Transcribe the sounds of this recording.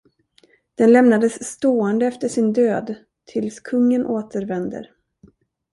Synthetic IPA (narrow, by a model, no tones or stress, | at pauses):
d̪̥ɛnlɛmnad̪əsːt̪oːɛnd̪əɛft̪əʂɪnd̪øːd̪ | t̪ʰɪlskʰɵŋːənʔoːt̪əɾvɛnd̪ə̰ɾ